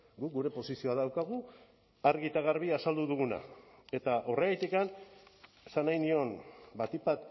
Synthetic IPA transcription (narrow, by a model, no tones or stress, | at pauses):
ɡuk̚ɡuɾe̞po̞sisio̞aðawkaɣ̞u | aɾɣit̪aɣ̞aɾβiasald̪uðuɣuna̰e̞t̪aʔo̞reɣejt̪ikan | esanajnio̞nbat̪ipat̪